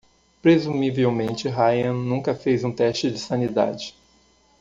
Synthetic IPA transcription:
pɾezumivewmẽnt͡ʃɪɦajɐ̃nũŋkɐfejzũt̪ɛʃt͡ʃɪd͡ʒɪsɐ̃nid̪a̰d͡ʒɪ

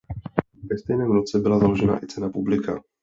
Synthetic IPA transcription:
vɛst̪ɛjnɛːmnot͡sɛbɪlazalo̞ʒɛna̰ʔɪt͡sɛnapublɪka

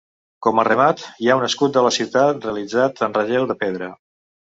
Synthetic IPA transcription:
kɔmərəmat̪iaunəskut̪̚d̪ələsiwt̪at̪reəlid͡zat̪ənrəʒelˠd̪əpeð̞ɾə

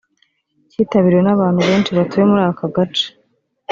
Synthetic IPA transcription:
ciːtaβiɾiwe̞naβaːn̥huβe̞ːnt͡ʃiβatuje̞muɾaːakaɡat͡ʃḁ

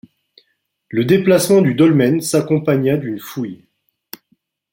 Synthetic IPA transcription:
ləd̪eplasmɑ̃d̪yd̪ɔlmɛnsakɔ̃paɲad̪ynfuj

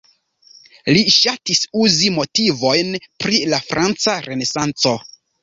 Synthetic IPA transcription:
liʃatisuzimo̞tivo̞jnpɾilafɾant͡saɾe̞ne̞sant͡so̞

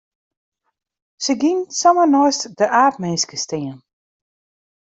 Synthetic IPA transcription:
səɡinsɔmənɔjstd̥əʔaːtmɛnskəstɪən

